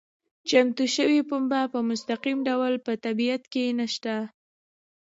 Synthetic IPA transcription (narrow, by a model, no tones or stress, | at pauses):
t͡ʃamt̪uʃəwipʊmbapəmʊst̪aqimɖawlpət̪abijat̪kenaʃt̪a